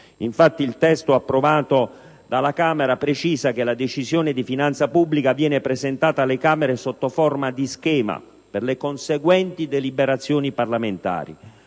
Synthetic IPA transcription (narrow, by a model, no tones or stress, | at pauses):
iɱfat̪ːilt̪ɛst̪oapːɾovaːt̪o | d̪alakaːmeɾapɾet͡ʃiːzakelad̪et͡ʃizjoːned̪ifinant̪sapubːlikavjɛːnepɾezent̪aːt̪alekaːmeɾesot̪ːoformad̪iskɛːma̰ | perlekonseɡwɛnt̪id̪elibeɾat̪sːjoːniparlament̪a̰ːɾḭ